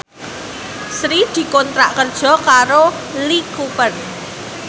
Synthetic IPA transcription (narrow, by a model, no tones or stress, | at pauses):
sɾid̪̥i̤kɔnt̪ɾaʔkərd̥ʒ̥ɔ̤kaɾo | likupən